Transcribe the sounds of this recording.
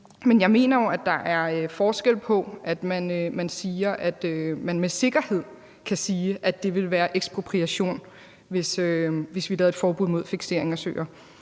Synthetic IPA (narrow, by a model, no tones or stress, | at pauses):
menjɑ̈ɪme̝̰ːnɐjo̝æd̥ɑ̈ʔæɐfɒːsɡ̥el̰pʰɒ̽ʔæd̥mænømænsiːɐʔæd̥ømænmese̝ɡ̥ɐhe̝ð̰ˠ | kʰæsiːʔæd̥e̝ʋe̝lʋæːɐʔeɡ̥sb̥ʁopʰʁiæɕo̝̰ːn | ʋe̝søʋe̝sʋilɛːð̩ˠed̥fɒːb̥uð̰ˠmo̝ð̞̰ˠfiɡ̥se̝̰ɐ̰e̝ŋæsø̰ːɐ